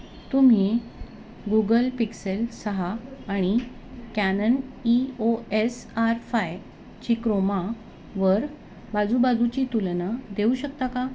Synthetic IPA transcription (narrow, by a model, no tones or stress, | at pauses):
t̪um̤i | ɡuɡəlpikselsəɦaːɽ̃i | kænənioesaɾfaj | t͡ɕikɾoma | ʋəɾ | bad͡zubad͡zut͡ɕiːt̪ulnad̪euɕək̚t̪aka